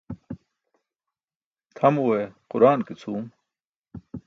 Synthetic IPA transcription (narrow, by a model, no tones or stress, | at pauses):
t̪ʰɐmueqʊɾaːnkit͡sʰuːm